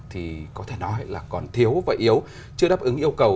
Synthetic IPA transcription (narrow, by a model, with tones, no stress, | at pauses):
t̪ʰi˨˩kɔ˨˦t̪ʰe˧˩nɔ˨˦jlaː˨˩kɔ˨˩nt̪ʰi˨˦əwvaː˨˩ʔi˨˦əw | t͡ɕɨ˧əɗaː˦˥p̚ʔɨ˨˦ŋʔi˧əwkə˨˩w